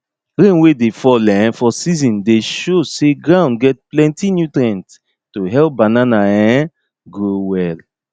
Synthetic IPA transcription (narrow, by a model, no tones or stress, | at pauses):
ɹẽnwedefɔlɛ̃fɔsizĩndeʃoseɡɹãʊ̃nɡɛt̚plɛ̃ntinjutɾɛ̃nt | tuɦɛlp̚bananaɛ̃ | ɡɹowɛl